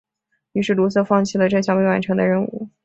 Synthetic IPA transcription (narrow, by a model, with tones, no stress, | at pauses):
y˧˥ʂɻ̩˥˩lu˧˥s̬ɤ˥˧fɑ˥˧ŋt͡ɕʰi˥˩lə˩ʈ͡ʂɤ˥˧ɕʰjɑ˥˧ŋpe˥˧wa˧˥nʈ͡ʂʰɤ˧˥ŋd̪ə˧ɻə˧˥˧nu˥˩